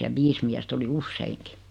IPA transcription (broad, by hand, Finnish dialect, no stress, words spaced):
jɑ ʋiːs miæst oli usːeiŋki